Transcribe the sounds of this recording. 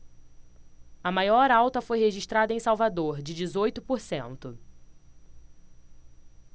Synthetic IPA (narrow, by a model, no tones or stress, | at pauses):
ɐmajɔɾawt̪ɐfojheʒiʃt̪ɾad̪ɐẽj̃sawvad̪oɾd͡ʒɪd͡ʒɪzojt̪ʊpoɾsḛ̃nt̪ʊ